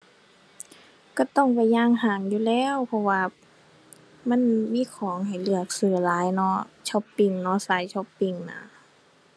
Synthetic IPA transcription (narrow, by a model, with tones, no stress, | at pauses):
ka˧˩t̪ɔ˧˥˩ŋpa˨jɲaː˧˥˨ŋhaː˧˩ŋjuː˧˨lɛː˧˥˨wpʰɔ˧waː˧ | ma˧˥˨nmiː˧˥˨kʰɔː˨˦ŋɦa˨˩jlɯ˧˩ək̚sɯː˧˩laː˨˦jnɔ˧˥t͡ɕʰɔ˧˥pːi˧˨ŋnɔ˧˥saː˨˦jt͡ɕʰɔ˧˥pːi˧˨ŋna̰˧˩